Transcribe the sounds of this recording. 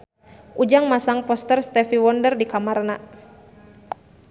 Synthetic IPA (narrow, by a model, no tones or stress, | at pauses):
ʔud͡ʒaŋmasaŋpɔst̪ərst̪ɛfiwɔndərdikamarna